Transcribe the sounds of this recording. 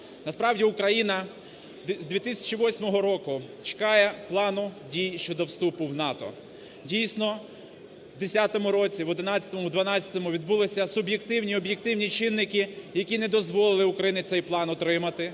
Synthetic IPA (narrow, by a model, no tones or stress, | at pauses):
nɐspɾɑwdʲiʊkɾɐjinɐ | zd̪ʋʲit̪ɪsʲɐ̥t͡ʃiʋɔsʲmɔɦɔɾɔkʊt͡ʃe̥kɑjɛplˠɑnʊdʲijʃt͡ʃɔd̪ɔwst̪upʊwnɑt̪ɔ̰ | dʲijsnɔ | wd̪esʲat̪ɔmʊɾɔt͡sʲiʋɔd̪ɪnɑt͡sʲɐ̥t̪ɔmʊwd̪ʋɐnɑt͡sʲɐ̥t̪ɔmʊʋʲid̪̚bulˠɪsʲɐsʊbjekt̪ɪwnʲiɔbjek̚t̪ɪwnʲit͡ʃɪnːɪkɪjɐkʲinɛd̪ɔzʋɔlˠɪlˠɪʊkɾɐjinɪt̪sɛjplˠɑnɔt̪ɾɪmɐt̪ɪ